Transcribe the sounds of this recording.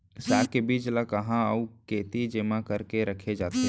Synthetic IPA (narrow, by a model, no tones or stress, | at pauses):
saːkebiːd͡ʒlakəɦãəukeːt̪id͡ʒɪmãkəɾkeɾəkʰed͡ʒaːt̪e